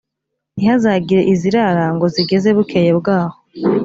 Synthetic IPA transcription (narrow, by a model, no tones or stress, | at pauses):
nihazaɡiɾe̞ʔiziɾaɾaŋɡo̞ziɡe̞ze̞βukʰe̞jebɡaːho